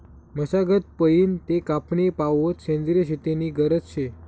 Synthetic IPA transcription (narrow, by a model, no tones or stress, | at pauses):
məsaɡət̪̚pəjint̪ekapnepaʋot̪ʃẽnd̪ɾəɕet̪eniɡəɾət͡st͡ʃʰe